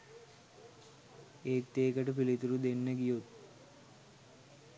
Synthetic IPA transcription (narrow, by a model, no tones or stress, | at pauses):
eːk̚t̪eːkəʈəpilit̪uɾud̪enːəɡijot̪